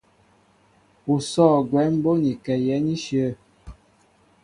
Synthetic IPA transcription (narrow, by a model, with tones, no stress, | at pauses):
u˨sɔː˦˨ɡwɛ˨˦m̩˦bo˦ni˨kɛ˨jɛ˨˦ni˦ʃjə˦˨